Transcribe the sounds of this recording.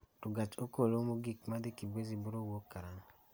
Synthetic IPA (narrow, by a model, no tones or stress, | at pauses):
tuɡat͡ʃokolomoɡikmadikibweziboɾowokːaɾaŋ